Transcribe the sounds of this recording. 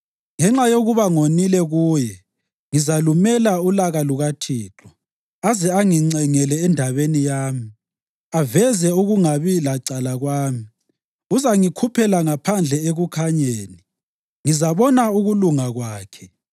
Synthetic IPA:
ŋɛŋ͡ǁajoɣuβaŋonilɛɣuːjɛ | ŋizalumɛlaulaɣaluɣatʰiːǁʰɔ | azɛaŋiŋ͡ǀɛŋɛlɛːndʱaβenijaːmi | avɛzɛuɣuŋaβilaǀalaɣwaːmi | uzaŋikʰupʰɛlaŋapʰand͡ɮʱɛeɣukʰaɲeːni | ŋizaβɔnauɣuluŋaɣwaːkʰɛ̥

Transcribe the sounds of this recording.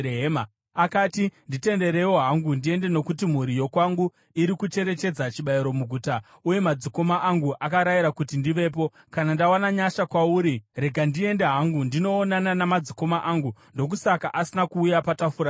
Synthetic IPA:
eɦema | akaːtindite̞nde̞ɾe̞wo̞ɦaŋɡundie̞nde̞no̞kut̬im̤uɾijo̞kwaŋɡu | iɾikut͡ʃe̞ɾe̞t͡ʃe̞d͡zat͡ʃiɓaiɾo̞muɡʱuta | uje̞mad͡ziko̞maʔaŋɡuʔakaɾajiɾakutindiʋe̞ːp̬o̞ | kanandawanaɲaʃakwauɾire̞ɡʱandie̞nde̞ɦaŋɡundino̞ːnananamad͡ziko̞maʔaŋɡundo̞k̬usakaʔasinakuːjapatafuɾa

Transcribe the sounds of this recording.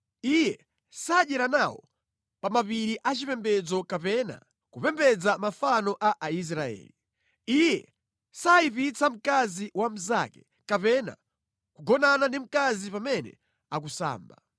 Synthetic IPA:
ijɛ | saɗɛɾanawɔ̰ | pamapiɾiʔat͡ʃipɛmbɛd͡zɔkapɛna̰ | kupɛmbɛd͡zamafanɔʔaʔais̬ɾaɛ̰ːli | ijɛ̰ | saip̬it͡sam̩kaziwam̩za̰kɛ̥ | kapɛna̰ | kuɡɔnanandim̩kazipamɛnɛ̰ | ak̬usa̰ːmba

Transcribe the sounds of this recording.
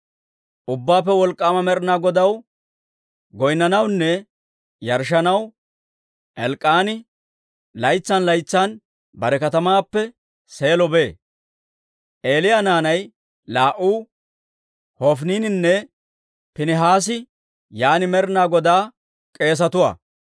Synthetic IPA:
ʔʊbːaːpːɛwɔlkʼːaːmɐmɛɾnaːɡɔd̪ɐw | ɡɔjnːɐnɐwnːɛ | jɐɾʃɐnɐw | ʔɛlkʼːaːnɪ | lɐjt͡sːɐnlɐjt͡sːan | bɐɾɛkɐt̪ɐmaːpːɛ | se̞ːlɔbe̞ː | ʔeːlɪjaːnaːnɐj | laːʔuː | hɔfniːnɪnːɛ | pɪnɪɦaːs̬ɪ | jaːnɪmɛɾnaːɡɔd̪aː | kʼe̞ːs̬ɐt̪ʊwa̰ː

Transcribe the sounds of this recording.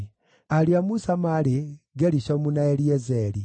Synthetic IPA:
aliamusamaliɡeliʃomunaeljezeli

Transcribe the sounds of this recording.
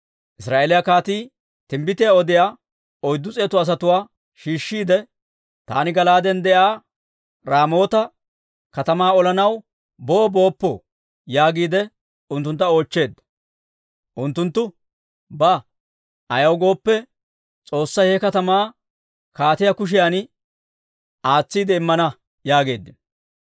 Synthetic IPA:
ʔɪsɾaːʔeːlɪjakaːt̪iː | t̪ɪmbɪt̪ɪjaɔd̪ɪjaː | ɔjd̪ːʊt͡sʼe̞ːt̪ɐs̬ɐt̪ʊwaː | ʃiːʃːiːd̪ɛ | t̪a̰ːnɪɡɐlaːd̪ɛnd̪ɛʔaː | ɾaːmo̞ːt̪ɐ | kɐt̪ɐmaːɔlɐnɐw | boːbo̞ːpːɔ̰ | jaːɡiːd̪ɛ | ʊnt̪ːʊnt̪ːɐo̞ːt͡ʃːe̞ːd̪ːɐ̥ | ʔʊnt̪ːʊnt̪ːʊ | bɐ | ʔɐjɐwɡo̞ːpːɛ | t͡sʼo̞ːsːɐjhɛkɐt̪ɐmaː | kaːt̪ɪjɐkʊʃ̬ɪjaːn | ʔaːt͡sːiːd̪ɛɪmːɐnɐ | jaːɡe̞ːd̪ːɪn

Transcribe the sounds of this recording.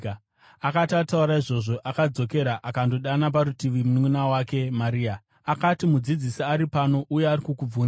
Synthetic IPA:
akatatauɾaiʐo̞ʐo̞ʔakad͡zo̞ke̞ɾaʔakando̞ɗanap̬aɾutiʋimunŋunawake̞maɾiːa | akatimud͡zid͡zisiaɾipano̞ʔujeaɾikukub͡vuːn

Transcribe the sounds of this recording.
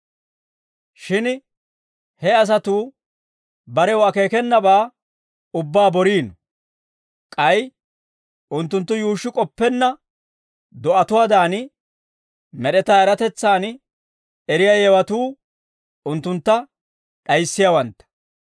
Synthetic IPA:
ʃɪn | hɛɐs̬ɐt̪uː | bɐɾɛwɐke̞ːkɛnːɐbaː | ʊbːaːbɔɾiːnɔ | kʼɐj | ʔʊnt̪ːʊnt̪ːʊjuːʃːɪkʼɔpːɛnːɐ | d̪ɔʔɐt̪ʊwaːd̪aːn | mɛɗɛt̪aːɛɾɐt̪ɛt͡sːaːn | ɛɾɪjaːjɛwɐt̪uː | ʊnt̪ːʊnt̪ːɐ | ɗɐjsːɪjawɐnt̪ːɐ̥

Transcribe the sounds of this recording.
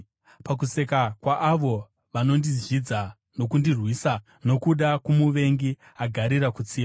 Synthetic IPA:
pak̬use̞kakwaʔːʋo̞ | ʋano̞ndizʒid͡za | no̞kundirwiːsa | no̞kuɗakumuʋe̞ŋɡi | aɡʱaɾiɾakut͡siːa

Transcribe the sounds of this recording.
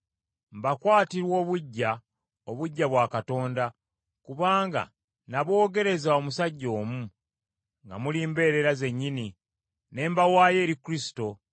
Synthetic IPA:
mbakwaːtiɾwo̞ːβuɟːa | oβuɟːaβwaːkato̞ːnda | kuβaːŋɡa̰ | naβo̞ːɡe̞ɾe̞zao̞musaɟːo̞ːmu | ŋɡa̰muliːmbe̞ːɾe̞ɾaze̞ɲːini | ne̞ːmbawaːje̞ːɾikuɾisi̥to̞

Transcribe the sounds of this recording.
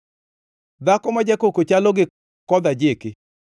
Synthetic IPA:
d̪akɔmad͡ʒakokot͡ʃalɔɡɪ | kɔd̪ad͡ʒekɪ

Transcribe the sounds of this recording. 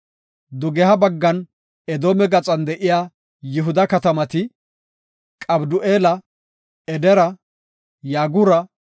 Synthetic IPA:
d̪ʊɡɛɦɐbɐɡːɐn | ɛd̪oːmɛɡɐt͡sʼɐnd̪ɛʔɪjaː | jɪɦʊd̪ɐkɐt̪ɐmɐt̪ɪ | kʼɐbd̪ʊʔeːlɐ | ɛd̪ɛɾɐ | jaːɡʊɾɐ

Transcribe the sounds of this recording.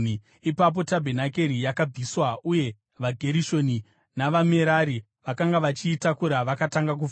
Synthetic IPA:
ipap̬o̞tabʱe̞nak̬e̞ɾijakab͡viswauje̞ | ʋaɡʱe̞ɾiʃo̞ni | naʋame̞ɾaɾi | ʋakaŋɡaʋat͡ʃiːtakuɾaʋakataŋɡak̬u

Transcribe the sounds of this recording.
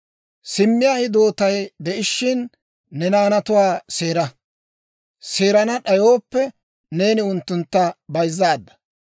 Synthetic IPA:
sɪmːɪjaːhɪd̪o̞ːt̪ɐjd̪ɛʔɪʃːɪnː | ɛnaːnɐt̪ʊwaːse̞ːɾɐ | seːɾɐnɐɗɐjo̞ːpːɛ | ne̞ːnɪʊnt̪ːʊnt̪ːɐbɐjzːaːd̪ːɐ̥

